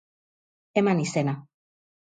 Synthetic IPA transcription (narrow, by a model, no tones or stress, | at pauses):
emanisena